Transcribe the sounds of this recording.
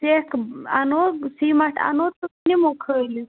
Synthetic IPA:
seka̰nosimaʈʰa̰not̪uknimokʰəli

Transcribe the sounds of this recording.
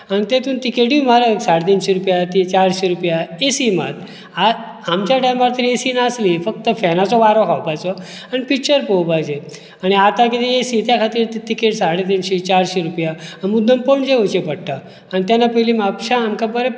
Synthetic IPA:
añit̪et̪ũnt̪ikeʈʋimaɾəksaɽet̪̬inɕeɾupjat̪it͡ɕaɾɕeɾupjaesima̰t̪ | a | amt͡ɕjaʈajmaɾt̪əɾesinaslifək̚t̪əfɛnat͡sɔʋaɾokʰawpajt͡sɔ | anipikt͡ɕəɾpəwpajd͡ʑe | aɽ̃iat̪akit̪eesit̪jakʰat̪iɾt̪it̪ikeʈsaɽet̪inɕet͡ɕaɾɕeɾupjaamud̪ʱəmpəɳd͡ʑeut͡ɕepəɽʈ̪aː | nit̪janːapəɦlimapɕãːmkabəɾe

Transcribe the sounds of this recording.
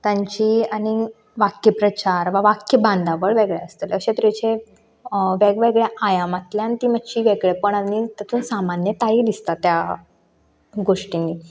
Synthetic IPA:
t̪jaɲt͡ɕiːaɽ̃i | ʋakjəpɾət͡ɕaɾʋaʋakjəbãnd̪aʋəɭʋeɡɭeəst̪eləɕet̪ɾet͡ɕe | ʋeɡʋeɡɭjaʔajamat̪ljanit̪iːməd̪t͡ɕiːʋeɡɭepəɳanːit̪ət̪ʰuːnsamanjət̪aid̪ist̪at̪ja | ɡoʂʈinːiː

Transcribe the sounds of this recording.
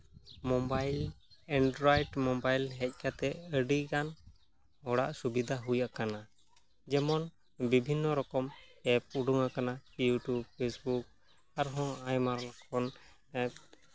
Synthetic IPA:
mɔbajlɛɳɖɾɔjɖmɔbajlɦɛc̚ˀkat̪ɛəɖiɡan | ɔɽa̰ʔsubid̪ʱaɦujaʔkana | d͡ʒɛmɔn | bibʱinːɔɾɔkɔmɛp̚uɖuŋakanajuʈjub̚pʰesbuk̚ | aɾɦɔ̃ajmaɾlɔkʰɔn

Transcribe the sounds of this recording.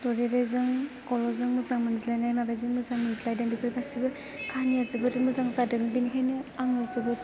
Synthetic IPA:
tɔɾeɾejzɯŋkɔlɔzɯŋmɯzaŋmɯnzilajnajmabajzɯŋmɯzaŋmɯnzilajdaŋbipʰɯjbʰasibɯ | kʰaniazɯbɯdɯmɯzaŋzadɯŋbinikʰajnɯaŋazɯbɯ

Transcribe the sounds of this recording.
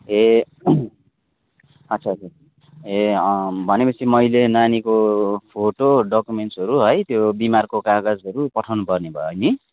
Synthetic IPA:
ɦe | ʌtːsʰat͡sʰa | ɦebʱʌnepʌt͡sʰimʌjlenanikopʰoʈoɖʌkumeɳʈsʌɾuɦʌjt̪jobimarkokaɡʌd͡zʌɾupʌʈʰawnupʌrnebʱʌ̰jni

